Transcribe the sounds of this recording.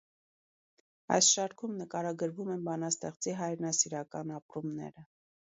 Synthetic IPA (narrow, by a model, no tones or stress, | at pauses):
ɑ̰jsʃɑɾkʰumnəkɑɾɑɡəɾvumɛnbɑnɑst̪ɛχt͡siɦɑjɾnɑsiɾɑkɑ̰nɑpɾumnɛ̰ɾə